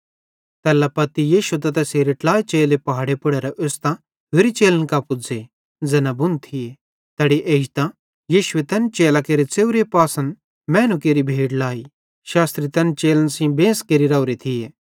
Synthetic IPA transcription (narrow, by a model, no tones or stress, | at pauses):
t̪ɛːlapɐt̪ːijiːʃut̪̬ɐt̪ɐseːɾeʈlaːit͡ʃeːlepɐɦaːɽepʊɽeɾɛʔʊst̪ã | ɦeɾit͡ʃeːlənkapʊd͡ze | d͡zɛnabʊnt̪ʰie | t̪ɛːɽiʔeːd͡ʒt̪ã | jiːʃʊet̪ɐnt͡ʃeːlakeːɾet͡seːʊɾepaːsə̃n | mɛːnukeːɾibʱeːɽlaːi | ʃaːst̪ɾit̪ɐnt͡ʃeːlənsĩbẽːskeːɾiɾɐʊɾit̪ʰie